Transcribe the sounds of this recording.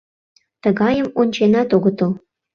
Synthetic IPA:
t̪əɣɑjəmonʲt͡ɕenɑt̪oɣət̪əl

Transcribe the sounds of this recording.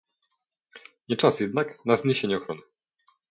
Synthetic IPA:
ɲɛt͡ʂasjɛd̪naknazɲeɕeɲɛɔxɾɔnɘ

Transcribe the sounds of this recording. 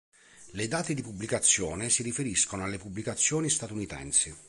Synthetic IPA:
lɪd̪aːt̪ed̪ipubːlikat̪sːjɔːnesirifeɾiskonoalːepubːlikat̪sːjɔːnist̪at̪unit̪ɛ̰nsi

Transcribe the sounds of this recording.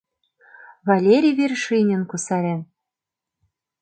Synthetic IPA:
βalʲeɾʲijβʲirʃinʲɘ̆nkusɑɾʲen

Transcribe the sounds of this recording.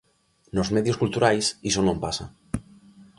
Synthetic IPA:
nozmeðjoskult̪uɾajsisonõmpasa̰

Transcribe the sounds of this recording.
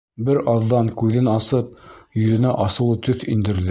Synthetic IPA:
bɘɾɑðːɑŋkʉðɘnɑsɤp̚jɵ̆ðɘ̆næʔɑsɤ̆lˠɤt̪ɵθind̪ɘ̆ɾðɘ

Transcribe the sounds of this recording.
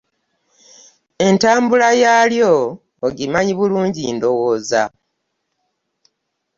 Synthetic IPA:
e̞ntaːmbulajaːljoː | ɡimaɲiβuluːɲɟindo̞woːza̰

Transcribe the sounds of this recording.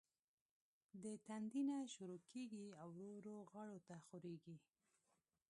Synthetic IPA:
d̪ət̪and̪inaʃuɾokʰeɡiawɾoɾoɣɑɽot̪axoɾeɡi

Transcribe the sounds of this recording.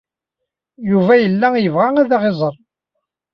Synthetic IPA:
juvæjəlːæjəvʁaæðɑʁezˤəɾˤ

